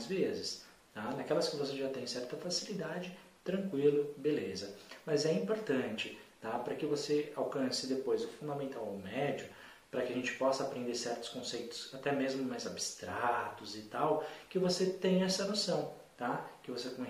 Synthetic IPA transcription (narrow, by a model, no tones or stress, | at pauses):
zvezɪs | t̪anɐkɛlɐskɪvos̬eʒat̪ẽj̃sɛɾt̪ɐfasilid̪ad͡ʒɪ | t̪ɾɐ̃ŋkwilʊbelezɐmɐzɛĩmpoɾt̪ɐ̃nt͡ʃɪt̪apɾɐkɪvoseawkɐ̃sɪd̪epojzʊfũd̪ɐmẽnt̪awʊmɛd͡ʒʊ | pɾɐkɪɐʒẽnt͡ʃɪ̥pɔsɐapɾẽnd̪eɾsɛɾt̪ʊskõsejt̪ʊ̥sat̪ɛmezmʊmajzabɪst̪ɾat̪ʊzɪt̪awkɪvoset̪ẽj̃ɛsɐnosɐ̃w̃ | t̪akɪvosekõ